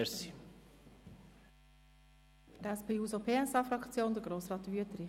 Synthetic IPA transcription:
si | tæspʰeːuːsopʰeːɛsɑːfɾɑkt͡sjoːnd̪əɡɾoːsrɑːt̪ːʋyət̪əɾi

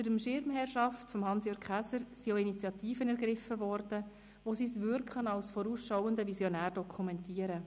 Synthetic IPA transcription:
əɾəmʃɪɾmɦɛrʃɑftfɔmɦɑnsjøːɡ̥χæsəɾsioinit͡sjɑt̪iːfənɛɾɡɾɪfəvɔɾd̥ə | ʋosisʋʏɾkχənɑlsfɔɾuːsʃawəndəvisjɔnæːrd̥ɔkʰumɛntiːəɾə

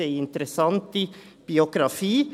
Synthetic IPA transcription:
ɛɪɪnt̪əɾəsɑnt̪əb̥ɪʊɡɾɑfiː

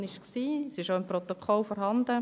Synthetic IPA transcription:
nɪʃksiːsɪʃoɪmprɔt̪okʰɔlfɔɾɦɑnd̪ə

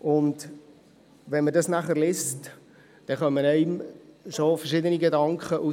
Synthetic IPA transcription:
ʔʊnd | ʋɛnmədɑsnæχəɾlɪst | d̥ɛχœmːənɛɪmʃofəɾʃɪdəniɡedɑŋkχəʔu

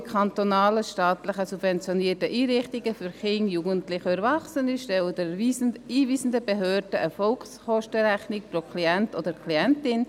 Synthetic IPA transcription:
kʰɑnt̪onɑːləʃtɑːt̪lɪχəsub̥vɛnt͡sjoniːətəʔiːɾɪχtɪɡəfyɾχɪŋjuːɡəntlɪχøbɾvɑχsənɪʃtɛldɛiiːviːsn̩dəbeɦøːɾdəʔəfɔlksχɔʃtəɾæχnɪk̚pɾokʰliɛntodəɾkʰliɛntɪn

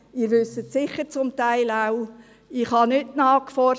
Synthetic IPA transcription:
ɪɾʋʏsətsɪχəɾt͡sʊmtaɪlaʊ | ɪχhɑnʏtnɑːkfɔ

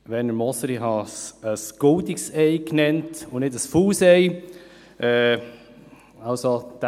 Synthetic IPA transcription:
ʋɛnəmɔsəɾɪɦɑsəsɡ̥ʊldiksɛɪknɛntʊnɪdəsfuːsɛɪ | ʔɛː | ɑʊsod̪̥

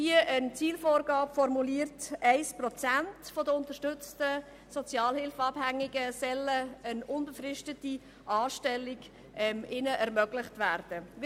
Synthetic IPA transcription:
iəənt͡siːlfoːɾɡɑːpfɔɾmuliəɾtæɪsprɔt͡sæntfɔdəʊntəʃtʏt͡stə | sɔt͡sjɑːlhɪlfɑphæŋːɪɡəsɛləənʊnbəfrɪʃtəti | ʔɑːʃtɛlːɪɡ | ɛmɪnəʔɛɾmœɡlɪχtvæɾd̥ə

